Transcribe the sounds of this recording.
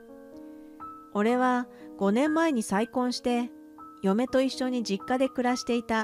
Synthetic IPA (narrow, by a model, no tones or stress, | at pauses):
o̞ɾe̞βa | ɡ̥o̞nẽ̞mːae̞ɲ̟isaikõ̞ɰ̃ɕi̥t̪e̞ | jo̞me̞t̪o̞iɕːo̞ɲ̟id͡ʑikːad̪e̞kɯ̟ɾaɕi̥t̪e̞it̪a